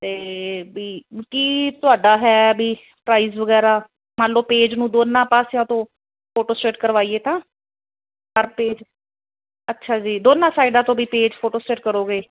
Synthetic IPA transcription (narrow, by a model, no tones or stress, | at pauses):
t̪eːbiːkiːt̪ʊaːɖaːɦɛːbiː | pɾaːiːzʋəɡɛːɾaː | maːloːpeːd͡ʒnũːd̪oːnːãːpaːsejãːt̪õː | pʰoːʈoːsʈɾeːʈkəɾʋaːiːeːt̪ãː | kəɾpeːd͡ʒ | ətːʃʰaːd͡ʒiːd̪oːnːãːsaːɪɖãːt̪õːbiːpeːd͡ʒpʰoːʈoːsʈeːʈkəɾoːɡeː